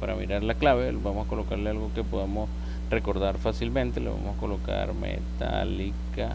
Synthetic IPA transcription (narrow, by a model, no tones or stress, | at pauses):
paɾa̰mḭɾaɾlaklaβe̞lbamosako̞lokaɾlealɣo̞kepoðamos | reko̞ɾðaɾfasilmẽnt̪eleβa̰mosako̞lo̞ka̰ɾmḛt̪a̰lika